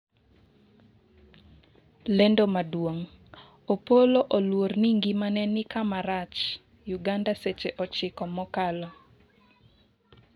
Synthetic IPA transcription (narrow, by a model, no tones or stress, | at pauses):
lendomadwoŋ | opoloʔolworniŋɡimanɛnɪkamaɾat͡ʃ | juɡandaset͡ʃeʔɔt͡ʃɪkɔmɔkalɔ